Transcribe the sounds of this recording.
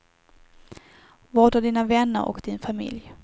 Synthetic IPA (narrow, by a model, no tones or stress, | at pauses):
vɑd̪ɵd̪iːnavɛnːə̰ɾɔ̰kd̪̥ɪnfamɪ̰lj